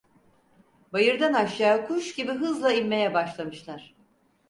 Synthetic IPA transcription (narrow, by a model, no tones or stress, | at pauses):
bajɯɾd̪anaʃjaːkʰuʃɟibiɦɯzlˠaimːe̞jɛbaʃlˠamɯʃlˠaɾ̥